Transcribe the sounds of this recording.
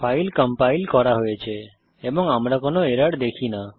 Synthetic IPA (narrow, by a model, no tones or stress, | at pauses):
pʰajlkəmpajlkɔɾaɦojet͡ʃʰe | ebɔŋamɾakonoeɾaɽd̪ekʰina